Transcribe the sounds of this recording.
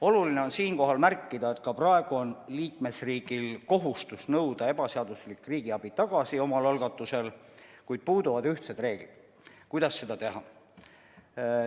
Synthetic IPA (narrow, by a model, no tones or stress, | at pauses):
o̞luline̞o̞nsiːnko̞ɦɑlmærkːid̪̥ɑe̞t̪kɑprɑe̞ɡ̥uo̞nliːkme̞sriːɡ̥ilko̞ɦust̪usnɤwd̪̥ɑe̞bɑseɑd̪̥uslikːˑriːɡ̥iɑb̥it̪ɑɡ̥ɑsio̞mɑlɑlɡ̥ɑt̪ːˑuse̞lkujd̪̥̚puːd̪uvɑd̪yht̪set̪re̞ːɡ̥lid̪̥ | kujd̪̥ɑsːe̞d̪̥ɑt̪e̞ɦɑ